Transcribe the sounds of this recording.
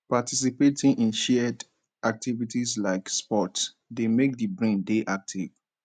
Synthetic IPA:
patis̬ipetʰĩŋʔĩnʃɛd | ʔak̚tivitislaɪkspɔts | demek̚dibɹẽndeʔak̚tʰiv̥

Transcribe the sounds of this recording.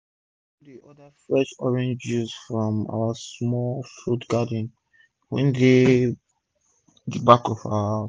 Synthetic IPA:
ɔdiɔdəfɹɛʃɔɹɛ̃nd͡ʒjuzfɹɔ̃ma̰wasmɔlfɹutɡ̥adn̩ | wɛ̰̃nde | dbakɔfa̰a

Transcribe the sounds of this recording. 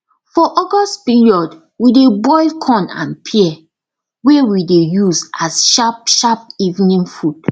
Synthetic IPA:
fɔʔɔɡɔstpiɹiɔd | widebɔɪlkʰɔ̃nã̰npʰiɛ | wewidejuzasʃapʃap̚ivnĩnfud

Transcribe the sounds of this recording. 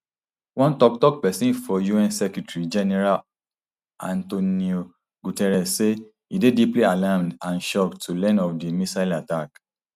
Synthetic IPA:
wɔ̃ntɔk̚tɔk̚pɛsĩnfɔjuɛ̃nsɛkɹitɹid͡ʒɛnɛɹal | ãntonio | ɡutɛɹɛsse | idediplialamdãnʃɔktulɛ̃nɔfdimisaɪlatak

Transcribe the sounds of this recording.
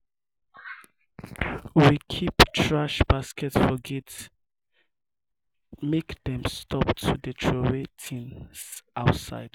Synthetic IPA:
wikʰiptʰɹaʃb̥askʰɛtfɔɡɛt | mekdɛ̃mstʰɔptʰudətʰɹowetʰĩnsʔaʊtsa̰ɪd̥

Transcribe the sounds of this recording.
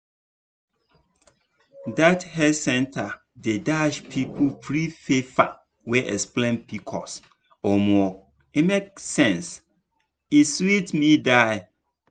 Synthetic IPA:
dathɛsɛ̃ntʰa | dedaʃpʰipʰopʰɾifefa̰ | wɛʔɛsplẽnpʰikʰɔ̰s | ɔmɔ | imeksɛ̃ns | iswitmĩdaɪ

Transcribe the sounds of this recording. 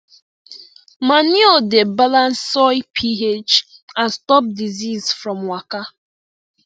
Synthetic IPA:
maniodebalãnsːɔɪpʰiet͡ʃ | ãnstɔp̚dizizfɹɔ̃mwaka

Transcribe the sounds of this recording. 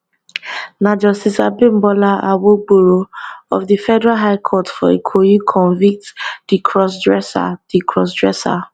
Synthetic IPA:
nad͡ʒɔsisabẽmbɔlaa̰woɡ͡boɹoɔ̰fdifɛdɛɹaɦaɪkʰɔtfɔ̰ḛkʰojikʰɔ̃nvik̚td̥ikʰɹɔs̬dɹɛsa̰dikʰɹɔsdɹɛsa̰

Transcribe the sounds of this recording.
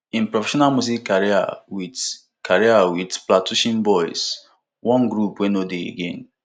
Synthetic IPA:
ĩnpɹɔfɛʃɔnalmuz̬ikːaɹia̰wid | kʰaɹiawidplatuʃĩnbɔjs | wɔ̃nɡɾupwẽnodeḛɡẽn

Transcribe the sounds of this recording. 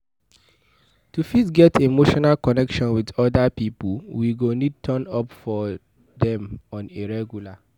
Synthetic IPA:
tufitɡɛtʰimoʃɔnalkɔnɛkʃɔ̃nwidɔdapipulwiɡonid̚tʰə̃nɔpfɔ | dɛ̃mɔ̃niɹɛɡjula

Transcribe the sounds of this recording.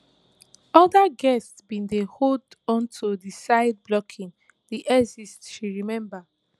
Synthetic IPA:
ɔdaɡɛstsbĩndehodɔ̃ntʰudisaɪd̚blɔkʰĩŋ | diʔɛzistʃiɹimɛ̃mba

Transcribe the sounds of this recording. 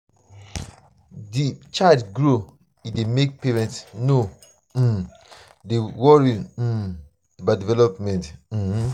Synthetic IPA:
dit͡ʃadɡɹo | idemek̚peɹɛ̃ntsno | dewɔɹi | badivɛlɔpmɛ̃nt̩h̩

